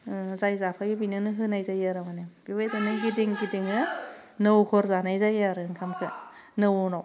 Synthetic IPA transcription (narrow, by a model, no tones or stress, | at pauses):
zajzapʰajɯbinɯnɯɦɯnajzajaɾawanɯb̥ibajdanɯɡidiŋɡidiŋɯ | nɯwkʰɔɾzanajzajaɾɯŋkʰamkʰɯ̰ | nɯwnaw